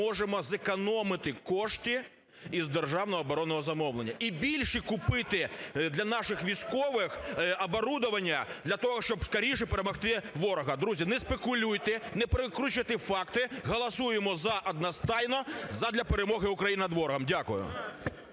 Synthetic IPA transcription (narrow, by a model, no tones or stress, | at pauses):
ɔʒemɔzekɐnɔmɪt̪ɪkɔʃt̪ʲi | izd̪erʒɑwnɔɦɔːbɔɾɔnːɔɦɔzɐmɔwlˠenʲːɐʔibʲilʲʃikʊpɪt̪ɪd̪lʲɐnɑʃɪxʋʲijsʲkɔʋɪxɐbɔɾud̪ʊʋɐnʲːɐd̪lʲɐt̪ɔɦɔʃt͡ʃɔbskɐɾʲijʃɛpeɾemɔxt̪ɪʋɔɾɔɦɐd̪ɾuzʲinɛspekʊlʲujt̪ɪnɛpɾɪkɾut͡ʃɪt̪ɪfɑkt̪ɪɦɔlˠɐsujemɔzɐʔɐd̪̚nɐst̪ɑjnɔzɐd̪lʲɐpeɾemɔɦɪʊkɾɐjinɐd̪ʋɔɾɔɦɐmdʲakʊjʊ̰